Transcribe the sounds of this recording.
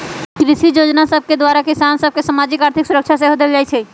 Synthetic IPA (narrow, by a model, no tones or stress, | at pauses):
kɾɪʃid͡ʒoːd͡ʒnasəb̚ʱked̪waːɾakesaːnsəb̚ʱkesamaːd͡ʒɪkaːɾt̪ʰɪksʊɾəkʃʰas̬eɦod̪ebld͡ʒaːit͡ʃʰɛ